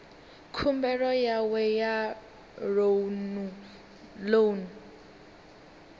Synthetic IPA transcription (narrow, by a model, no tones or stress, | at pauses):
kʰumbɛɺɔjawɛja | ronu | lon